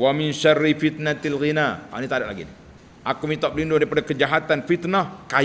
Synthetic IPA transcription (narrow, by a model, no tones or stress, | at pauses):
wamɪnʃarːifit̪̚nat̪lɣinaa̰nit̪adaʔla̰ɡḭni | ʔakumit̪ap̚lindʊŋdaɾipadakəd͡ʒaɦat̪anfit̪nahkaj